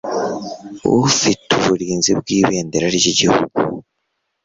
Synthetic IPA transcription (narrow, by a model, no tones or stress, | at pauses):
ṵfituβuɾiːnzib̚ɡiːβeːndeɾaɾiɟiɟihṵɡ̥u